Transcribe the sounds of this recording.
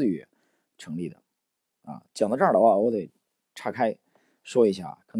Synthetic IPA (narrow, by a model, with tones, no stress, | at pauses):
ɥɛ˧˩ | ʈ͡ʂʰɤ˧˥ŋli˥˩d̪ə̰˩ | ɐ̰˧˩t͡ɕjɑ˨˩ŋd̪ə˦ʈ͡ʂa˥˩lɑ˧˥a˥˧wɔ˧˥d̪e˨˩ɪ | ʈ͡ʂʰa˥˩kʰa˥ɪ | ʂwɔ˥i˧˥ɕja̰˥˩kʰɤ˨˩n